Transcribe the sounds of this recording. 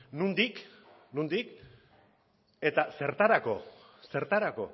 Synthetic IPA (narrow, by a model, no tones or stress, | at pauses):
nund̪ik | nund̪ik | e̞t̪ase̞ɾt̪aɾako̞̰ | se̞ɾt̪aɾako̞̰